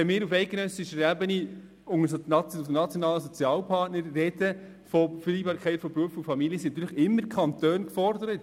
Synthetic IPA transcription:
ɛmɪːɾufɛɪɡenœsiʃəɾæbəni | ʊŋəsɑənɑt͡sjɔnɑːləsɔt͡sjɑːlpʰɑɾtnəɾːɛd̥ə | fɔfəɾiːbɑːɾkʰɛɪtfɔbɾuəfʊfɑmiliəsinɑt̪yːləχɪmːəɾkʰɑntøːnkfɔrdəɾət

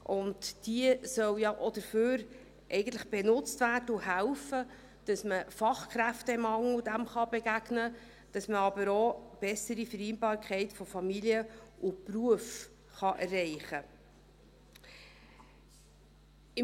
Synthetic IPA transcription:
ʔʊntd̥iəsœwjɑʔɔdəɾføːɾ | ʔɛɪɡən̩tləχb̥enʊt͡stværdəuɦælfə | d̥ɑsməfɑχkɾæftɛɪmhɑŋludæmχɑbeɡæɡnə | d̥ɑsməɑbəɾob̥ɛsəɾifəɾɛɪnbɑːɾkʰɛɪtfɔfɑmiliəʔupruəf | χɑʔærːɛɪχə | ɪ

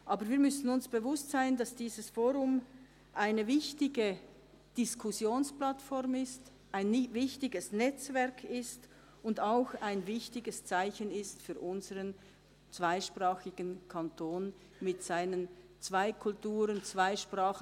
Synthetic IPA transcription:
ʔɑːbəɾviːɐmʏsn̩ʊnsb̥əvʊstz̥aɪndɑsd̥iːzəsfoːɾʊm | ʔaɪnəvɪçtɪɡə | d̥ɪskʰʊsjoːnsplatfɔʁmɪst | ʔaɪnvɪçtɪɡəsnɛt͡svɛɐkʰɪst | ʊndaʊxaɪnvɪçtɪɡəst͡saɪçənɪstfyːɾʔʊnzəʁən | t͡sv̥aɪʃpʁaːxɪɡ̥ənkʰantʰoːn | mɪtz̥aɪnən | t͡svaɪkʰʊltuːɾənt͡sv̥aɪʃpraːx

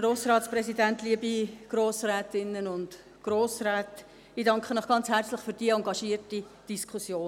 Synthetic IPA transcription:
ɡɾoːsɾɑːtspɾɛsidæntliəbiɡ̥ɾoːsrɛːtɪnːənʊnd | ɡ̥ɾoːsɾɛːt | iːdɑŋkχənɔχɡ̥ɑnt͡shært͡slɪχfyɾd̥iːəɑŋɡɑʃiːərti | d̥iskχusjoː

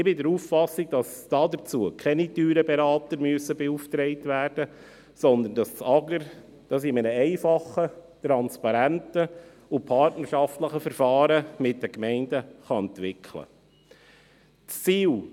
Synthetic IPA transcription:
ɪbɪdəɾuːffɑsiɡ̚d̥ɑsd̥ɑːd̪əɾt͡suəkʰɛnityːɾəbɛɾɑːtəɾmyəsəbɛuftɾɛɪtʋæːrd̥ə | sɔnd̪əndɑst͡sɑɡəɾ | d̥ɑs̬ɪmɛnəɛɪfɑχət̪ɾɑnspɑɾæntə | ʊpʰɑrtnəɾʃɑftləχəfəɾfɑːɾəmɪt̚dəkmɛɪndəχɑɛnt̪ʋɪkʰlə̰ | t͡st͡siːl

